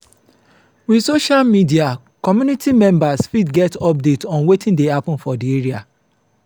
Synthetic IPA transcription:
wisoʃalmidia | kɔmjunitʰimɛ̃mbasfidɡɛtɔp̚detɔ̃nwetʰĩndehapɔ̃n̩fɔdieɹia

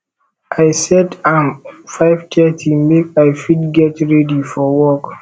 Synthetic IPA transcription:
ʔaɪsɛdãmfaɪvtʰɛtʰimekajfidɡɛtɹɛdifɔwɔk

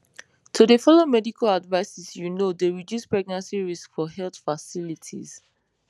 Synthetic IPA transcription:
tʰudefɔlomɛdikʰaladvaɪsɛsjunodeɹidjuspɹɛɡ̚nãnsiɹiskfɔhɛlt̪fasilitʰḭz̥

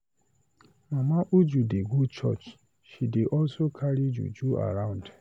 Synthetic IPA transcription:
mamaʔud͡ʒudeɡʷut͡ʃɔ̰t͡ʃ | ʃideʔɔlsokʰaɾid͡ʒṵd͡ʒua̰ɾãʊ̃nd

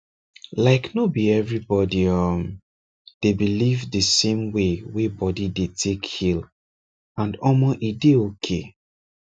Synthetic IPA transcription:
laɪknobiɛvɹibɔdiɔm | d̥ebilivdəsẽmwewebɔdidetʰekhil | ãndɔmɔʔideokʰḛ

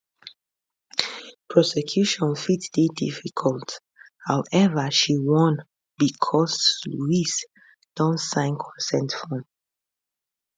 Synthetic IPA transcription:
pʰɹɔsɛkʰjuʃɔ̃nfitsd̥edḭfikʰɔlt | hawʔɛvəʃiwɔ̃n | b̥ikʰɔsluis | d̥ɔ̃nsãɪ̃nkʰɹɛsɛ̃ntfɔ̃n

